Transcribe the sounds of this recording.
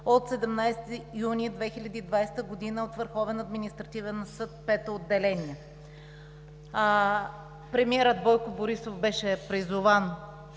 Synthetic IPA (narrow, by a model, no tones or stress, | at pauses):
ot̪sɛd̪ɛmnajst̪iunʲid̪vɛxilʲɐd̪iːd̪vajst̪əɡod̪inəot̪vəɾxɔvɛnɐd̪minist̪ɾɐt̪ivɛnsɤt̪̚pɛt̪ood̪ːɛlɛniɛ | pɾɛmiɛɾəd̪bɔjkoboɾisofbɛʃɛpɾizʊvan